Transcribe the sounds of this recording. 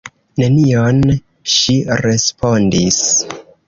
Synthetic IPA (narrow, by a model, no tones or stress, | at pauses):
ne̞nion | ʃiɾe̞spo̞ndis